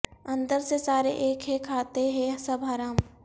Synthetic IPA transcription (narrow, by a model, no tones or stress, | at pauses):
ɐ̃nd̪əɾsesaːɾeʔeːkɦɛ̃kʰaːt̪eɦɛ̃sɐbʱaːɾaːm